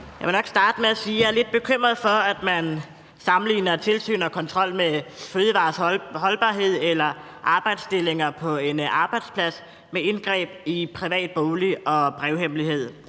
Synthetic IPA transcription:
jjɑʋenɒ̽ɡ̥sd̥ɑ̈ːd̥əmeæsiːjɑɐle̝d̥̚b̥e̝kʰøm̰ʁɐðˠfɒ̽æd̥mæn | sɑ̈m̩lḭːnɐt͡sʰe̝lsy̰ːnɒ̽kʰɒ̽nt͡sʰʁɒ̽l̰meføːðˠəʋɑ̈ːsɦɒ̽lb̥ɑ̈ːɦe̝ð̞̰ˠelɐ | ʔɑ̈ːb̥ɑ̈ɪ̰d̥sd̥e̝le̝ŋɐpʰɒ̽e̝nɑ̈ːb̥ɑ̈ɪd̥spʰlæs | mee̝nɡ̥ʁɛ̰ːb̥̚ipʰʁiʋɛ̰ːd̥̚b̥oːliɒ̽b̥ʁɛʊɦem̰liɦe̝ð̰ˠ

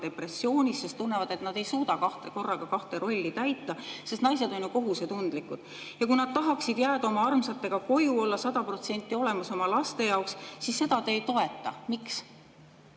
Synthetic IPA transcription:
t̪e̞pre̞sːio̞ːnʲissest̪unːe̞vɑd̪e̞t̪nɑd̪̥e̞jsuːd̪ɑkɑht̪e̞ko̞rːɑɡ̥ɑkɑht̪e̞ɾo̞lʲːit̪æjt̪ːˑɑse̞st̪nɑjse̞d̪̥o̞nʲjuko̞ɦuset̪und̪likˑud̪̥ | jɑkujnɑd̪̥̚t̪ɑɦɑksid̪̥jæːd̪ɑo̞mɑɑrmsɑt̪ːe̞ɡ̥ɑko̞juo̞lːɑsɑd̪̥ɑpro̞t̪se̞nʲt̪ːˑio̞le̞mɑso̞mɑlɑst̪e̞jɑokssisːe̞d̪̥ɑt̪eːjt̪o̞e̞t̪ːˑɑ̰miks

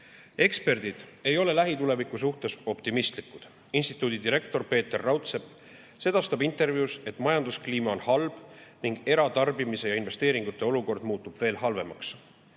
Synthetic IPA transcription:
e̞kspe̞rd̪̥id̪̥e̞jo̞le̞læɦit̪ule̞vikˑusuht̪e̞so̞pt̪imist̪likːˑud̪̥ | inst̪i̥t̪ːˑuːd̪̥id̪iɾe̞kt̪o̞rpe̞ːt̪ːerːɑwt̪se̞p | se̞d̪̥ɑst̪ɑbint̪ˑe̞rvjiuse̞t̪ːˑmɑjɑnd̪uskliːmɑo̞nhɑlb̥niŋɡ̥e̞ɾɑt̪ɑrbimise̞jɑinve̞st̪e̞ːɾiŋɡ̥ut̪ːˑe̞o̞luko̞rd̪̥muːt̪ːˑub̥ve̞ːlɦɑlve̞mɑks

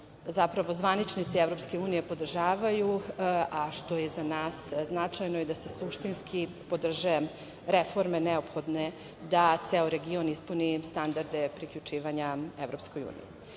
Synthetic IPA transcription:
zapɾaʋo̞zʋanit͡ʃnit̪sievɾo̞pskeuːnije̞po̞d̪r̩ʒaːʋajuaʃt̪o̞jezanaːsznat͡ʂajnojid̪asesuʃt̪inskʰi | po̞d̪r̩ʒe | ɾefo̞ɾmeneo̞pxo̞d̪ne | d̪at̪seoɾe̞ɡio̞nispunist̪and̪aɾd̪e̞pɾikʎʲut͡ʃiːʋaɲaeʋɾo̞psko̞jṵːnḭji

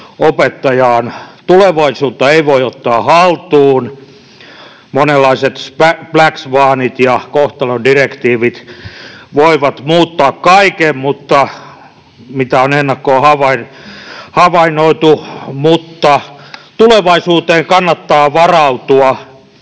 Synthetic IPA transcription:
opet̪ːɑjɑːnt̪uleʋɑisuːt̪ːɑeiʋoiot̪ːɑːhɑlt̪uːn | monelːɑiset̪spæplæksʋɑːnit̪jɑkoht̪ɑlondirekt̪iːʋit̪ | ʋoiʋɑt̪muːt̪ːɑːkkɑikemmut̪ːɑ | mit̪æonenːɑkːoːhɑʋɑinhɑʋɑinoit̪umut̪ːɑt̪uleʋɑisuːt̪eːŋkɑnːɑt̪ːɑːʋɑrɑut̪uɑ

